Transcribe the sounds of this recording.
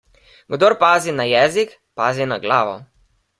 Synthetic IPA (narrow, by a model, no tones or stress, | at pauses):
ɡd̪oɾpaːzinajɛːzik | paːzinaɡlaːʋɔ̰